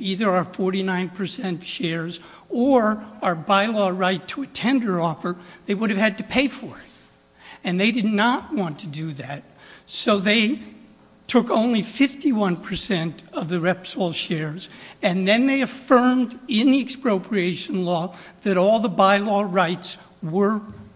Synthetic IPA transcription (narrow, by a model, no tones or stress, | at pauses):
iðə˞əfɔɹɾinãɪ̃npʰə˞sɛ̃ntʃɛɹz | ə˞ə˞baɪlɔɹaɪtʰəɨtʰɛ̃ndə˞ɔfə˞ðeɪwʊɾɨv̥ɨd̚tɨpʰeɪfə˞ɪt̚ | ɨ̃nðeɪdɨdⁿnət̚wɑ̃ntʰɨdɨðæt̚soʊðeɪ | tʰʊkõʊ̃nlifɪftiwʌ̃npʰə˞sɛ̃ntʌvðɨɹɛpsɔlˠʃɛɹzɨ̃nðɨ̃nðeɪɨfɜ̃˞mdɪ̃nðiɨkspɹoʊpʰɹieɪʃɨ̃n̩lɔðɨɾɔlˠðəbaɪlɔɹaɪts | wə˞